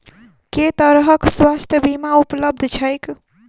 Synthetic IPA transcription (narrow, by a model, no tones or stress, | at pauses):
ket̪əɾɦəkswast̪ʰjəbimaupləb̚d̪ʱt͡ʃʰəjk